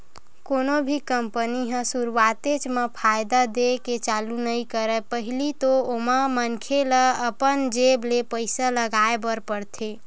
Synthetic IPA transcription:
konobʱikəmpəniɦə̃suɾuwat̪et͡ʃmepʰajd̪ad̪eket͡ʃalunəikəɾəpəɦilit̪ooməmənkʰeləəpənd͡ʒeblepəɪsaləɡaebəɾpəɽt̪ʰe

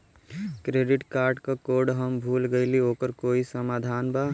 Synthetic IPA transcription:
kɾeːɖɪʈkaːɾɖkakoːɾɖɦəmbʱuːlɡəilioːkəɾkoːisəmaːd̪ʱaːnbaː

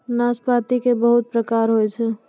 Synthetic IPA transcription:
naːspaːt̪ikebəɦʊt̪̚pɾəkaːɾɦoet͡ʃʰe

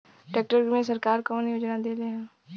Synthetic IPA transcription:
ʈɛːk̚ʈəɾmẽːsəɾkaːɾkɔːnijʊd͡ʒnãːd̪eːleɦɛ̃ː

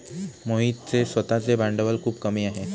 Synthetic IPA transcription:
moɦiːt̪̚t͡sesʋət̪at͡sebãɳɖəʋəlkʰuːbkəmiaɦe

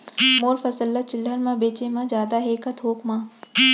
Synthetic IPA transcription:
moːɾfɐsəlːət͡ʃɪlːəɾmãbeːt͡ʃemãd͡ʒjaːd̪aɦeːkat̪ʰoːkmãː

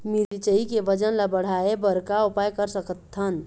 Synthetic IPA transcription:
miɾt͡ʃəikeʋəd͡ʒənlabəɽ̤aebəɾkaupajkəɾsəkət̪ʰːən

